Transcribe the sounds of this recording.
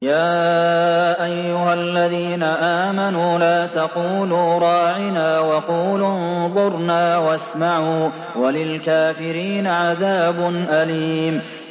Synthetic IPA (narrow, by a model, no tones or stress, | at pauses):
jaː | ʔajːʊɦalːaðiːnaʔaːmanuːlaːt̪ɑquːluːɾˤɑːʕɪnaːwɑquːlʊnðˤʊɾˤnaːwasmaʕuː | walɪlkaːfɪɾiːnaʕaðaːbʊnʔaliːm